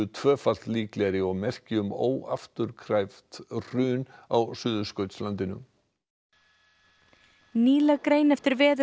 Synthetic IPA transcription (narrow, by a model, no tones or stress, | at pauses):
ʏt̪ʰvœːfal̥t̪liːklɛɾɪɔɣmɛr̥cɪʏmo̰ːwa̰ft̪ʏɾkʰɾajft̪r̥ʏːnawsʏːðʏskœɥt̪slant̪ɪnʏ̰m | niːlakɾeːjnɛft̪ɪɾvɛːðʏ